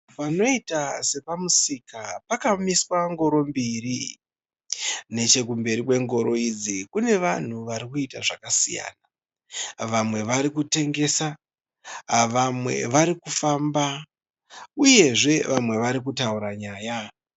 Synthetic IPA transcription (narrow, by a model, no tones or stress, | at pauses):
pano̞itase̞pamusikapakamiswaŋɡo̞ɾo̞mbiri | ne̞t͡ʃe̞k̬umbe̞ɾikwe̞ŋɡo̞ɾo̞id͡zikune̞ʋan̤uʋaɾikuitaʐakasḭja̰ːna | ʋamwe̞ʋaɾikute̞ŋɡe̞ːsa | ʋamwe̞̰ʋaɾikufaːmba | uje̞ʐe̞ʋamwe̞ʋaɾik̬utauɾaɲaːja